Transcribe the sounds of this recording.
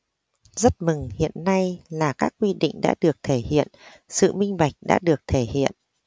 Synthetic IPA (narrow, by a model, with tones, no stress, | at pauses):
zə˦˥t̚mɨ˨˩ŋhḭ˧˨ənːa˧jlaː˨˩kaː˦˥k̚ːwi˧ɗḭ̈˧˨ŋ̟ɗa̰ː˧˥ɗɨ˨˩ək̚t̪ʰe˧˩hḭ˧˨ən | sɨ̰˧˨mï˧ŋ̟ɓa˨˩jk̟̚ɗa̰ː˧˥ɗɨ˨˩ək̚t̪ʰe˧˩hḭ˧˨ən